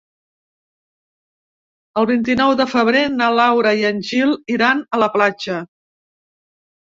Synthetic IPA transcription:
əlˠβint̪inɔwðəfəβ̞ɾenalawɾəiənʲʒilˠiɾanələplad͡ʒə

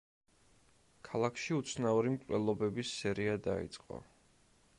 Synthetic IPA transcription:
kʰalˠakʰʃiut̪sʰnauɾimkʼlɛlˠɔbɛbisːɛɾiad̪a̰ḭt̪sʼqʼɔ̰

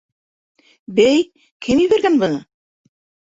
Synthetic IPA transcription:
bæj | kʰɘmjɘ̆βæɾɡænbɤ̆nɤ

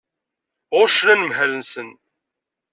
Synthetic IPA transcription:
ʁʊʃnænəmhælənsən

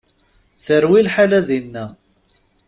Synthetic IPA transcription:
θəɾwilħalæðinːæ

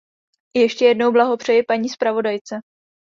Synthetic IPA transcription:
jɛʃcɛjɛdno̞wblaɦopr̝̥ɛjɪpaɲiːspɾavo̞dajt͡sɛ

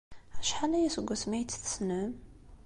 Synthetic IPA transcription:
æʃħalæjæsəɡʷːæsmæjt͡sːθə̥snəm

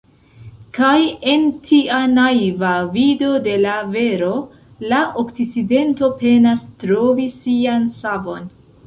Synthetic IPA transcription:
kaje̞ntʰianajvavido̞de̞lave̞ɾo̞ | laʔokt͡sit͡side̞nto̞pe̞nastɾo̞visiansavo̞n

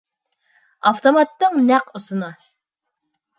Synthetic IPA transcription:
ɑft̪omɑt̪ːɨŋnæqusɨnɑ

